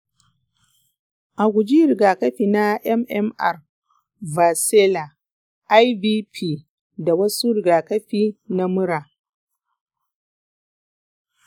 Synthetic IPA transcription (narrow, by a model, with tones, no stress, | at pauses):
ʔa˨ɡʷʊ˨d͡ʒi˦ɾɪ˨ɡaː˨kɐ˦ɸiː˨na˦ʔɛ˦mʔɛ˦mʔa˨r | va˨sɛ˦la˨ | ʔa˦jbiː˦pʰiː˦ | da˨wɐ˦su˦ɾɪ˨ɡaː˨kɐ˦ɸiː˦na˦mʊ˦ɽaː˨